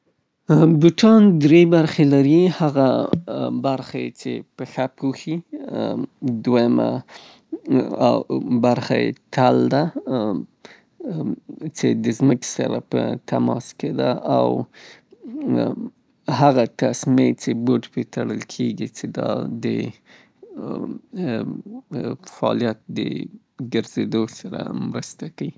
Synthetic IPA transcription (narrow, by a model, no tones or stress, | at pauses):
bʊʈɑnd̪ɾebaɾxelaɾihaɣa | baɾxat͡ʃḛpəxapʰuxi | d̪wajama̰ | awbaɾxajḛt̪ʰald̪a | t͡ʃed̪əzməksa̰ɾa̰pə̰t̪amɑsked̪aʔaw | haɣat̪asmet͡ʃeboʈpet̪aɽəlkʰeɡit͡ʃed̪ɑd̪ə | faɑ̰lijat̪̚d̪ə̰ | ɡəɾzed̪osaɾa̰mɾəst̪akai